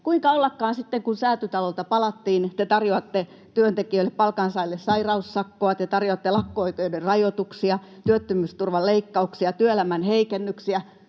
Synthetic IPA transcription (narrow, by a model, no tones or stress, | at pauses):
kuiŋkɑolːɑkːɑːnsit̪ːeŋkunsæːt̪yt̪ɑlolt̪ɑpɑlɑt̪ːiːnt̪et̪ɑrjoɑt̪ːe | t̪yønt̪ekiøilːeppɑlkɑnsɑilːessɑirɑusːɑkːoɑt̪et̪ɑrjoɑt̪ːelɑkːooikeoderrɑjot̪uksiɑ | t̪yøt̪ːymyst̪urʋɑlleikːɑuksiɑt̪yøelæmænheikenːyksiæ